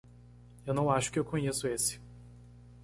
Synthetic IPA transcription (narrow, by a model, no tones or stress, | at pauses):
ewnɐ̃w̃aʃʊ̥kɪewkõɲesʊesɪ̥